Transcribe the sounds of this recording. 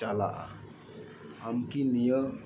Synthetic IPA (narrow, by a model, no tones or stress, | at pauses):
ala̰ʔa̰ | amkinijə